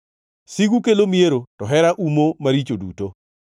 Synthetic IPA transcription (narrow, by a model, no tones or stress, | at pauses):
siɡukelomieɾotɔɦɛɾaʔumomaɾit͡ʃodṵto